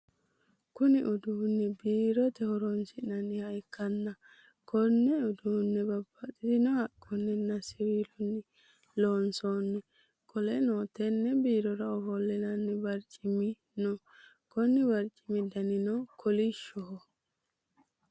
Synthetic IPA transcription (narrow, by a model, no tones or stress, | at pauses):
kʊnɪʔɔd̪uːnːɛbiːɾɔt̪ɛhɔɾɔnsɪnɐnɪhɐjkːɐnːɐ | kʰɔnːɛɔd̪uːnːɛbɐb̥ːɐt̪ʼɪd̪ɪnɔhɐkʼːɔnːɛnɐsɪwiːlɔnːɪ | loːnsoːnːɛ | kʰɔlɛnoːt̪ɛnːɛbiːɾɔɾɐɔhɔlːɪnɐnːɪbɐɾt͡ʃʼːɪmɪ | nɔ | kɔnɪbɐɾt͡ʃʼːɪ̥mɪd̪ɐnɪnɔkʰɔlɪʃɔhɔ